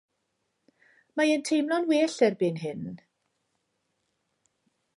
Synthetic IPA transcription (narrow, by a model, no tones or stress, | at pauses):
majɛntʰejmlˠɔnweːɬɛrbɪnɦɪn